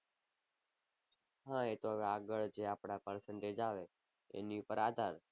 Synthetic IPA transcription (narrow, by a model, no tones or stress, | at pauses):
ɦãet̪oɦəʋeaːɡəɭd͡ʒeaːpɽ̃apəɾsəɳʈed͡ʒaːʋe | ḛniupəɾaːd̪ʱaːɾ